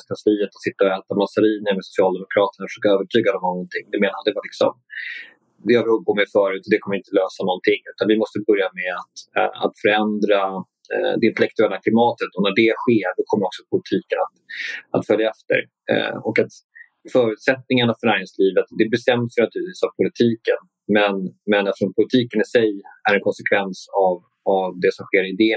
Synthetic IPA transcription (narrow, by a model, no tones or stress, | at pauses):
skʰansliːət̪ɔ̥sɪt̪ːaɔɛːt̪amasaɾiːnəmɛsʊ̥sɪɑːld̪ɛmʊkʰɾɑːt̪əɳafə̥ʂøːkaøːvəʈʰyːɡad̪ɔmnɔŋɡɔnt̪ʰɪŋːd̪ɛmeːnad̪ɛvalɪksɔ̰m | d̪ɛhaɾvɪɵp̚bɔmɛfœːɾʉ̟ːt̪ɔd̪ɛkʰɔməɾɪnt̪əløːsanɔnt̪ʰɪŋːʉ̟ːt̪anvɪmɔst̪əbɵɾjamɛat̪a̰t̪fœɾɛnd̪ɾa | d̪ɛɪnt̪ɛlɛk̚t̪ɵɛlːakʰlɪmɑːt̪ət̪ɔnæɖɛɧeːɾɖɔkʰɔmːəɾɔksɔpʰʊlɪt̪ʰiːkənat̪a̰t̪fœljaɛft̪ə̰ɾ̰ | ɔkat̪ | fœːɾʉ̟ːt̪sɛt̪̚nɪŋaɳafœɳæːɾɪŋsliːvət̪d̪ɛbɛst̪ɛmd̪sjɛjnat̪ʉːɾt̪viːsavpʰʊlɪt̪ʰiːkən | mɛnmɛnɛt̪ɾɔnpʰʊlɪt̪ʰiːkənɪsɛjæɾɛnkʰɔnsɛkʰvɛnsav | avd̪ɛsɔmɧeːɾɪd̪eː